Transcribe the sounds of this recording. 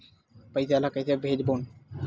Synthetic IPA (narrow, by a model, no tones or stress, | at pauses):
pajt̪eelakajt̪ebʱed͡ʑbon